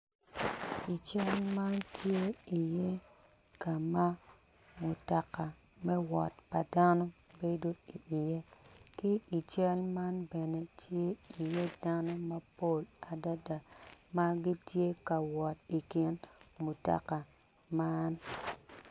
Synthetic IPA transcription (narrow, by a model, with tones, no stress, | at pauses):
i˨t͡ʃɛ˦lma˦ntje˦i˨je˦ | ka˨ma˦ | mu˨ta˨ka˨ | mɛ˦wɔ˨t̚pa˨da˦nɔ˦be˦do˦i˨ʔːje˦kɪ˦i˨t͡ʃɛ˦lma˦nbɛ˨nɛ˨tʰje˦i˨je˦da˦nɔ˦ma˦po˦˨la˨da˦da˨ma˦ɡɪ˦tje˦ka˨wɔ˨t̚i˨kɪ˦nmu˨ta̰˨ka˨ | ma˦n